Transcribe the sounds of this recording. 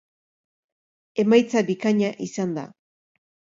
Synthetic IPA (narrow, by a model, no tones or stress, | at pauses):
e̞majt͡sabikaɲaʔisand̪a̰